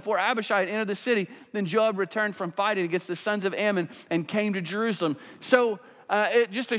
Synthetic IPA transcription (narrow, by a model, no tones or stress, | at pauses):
fɔɹæbɨʃaɪɨ̃ɾɛ̃ñə˞ðɨsɪɾiðɨ̃nd͡ʒɑb̚ɹɨtʰɜ̃˞nd̥fɹʌ̃ɱfaɪɾɪ̃ŋɨɡɛ̃nst̪̚ðɨsʌ̃nzʌvɛmɨ̃nɨ̃nkʰẽɪ̃mtɨd͡ʒə˞ʉsl̩ˠə̃msoʊ | ɪt̚d̥ʒ̥ʌstɨ